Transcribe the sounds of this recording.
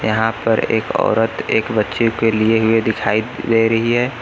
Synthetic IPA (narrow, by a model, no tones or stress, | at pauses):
jɐɦãpɐɾḛːkɔ̰ːɾət̪eːkbətːʃikelieɦʊed̪ɪkʰaːid͡ʒaiɾɐɦiɦɛː